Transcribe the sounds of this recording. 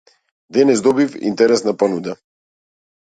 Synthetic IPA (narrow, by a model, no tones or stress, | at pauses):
d̪ɛnɛzd̪ɔbifḭnt̪ɛɾɛsnapanud̪a